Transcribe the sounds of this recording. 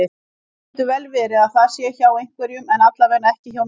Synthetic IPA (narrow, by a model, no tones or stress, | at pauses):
ɪ | t̪ʏvɛlvɛɾɪaðθaðsjɛçaːwejŋ̥kvɛɾjʏmɛnat̪lavɛɾnaɛhcɪçaw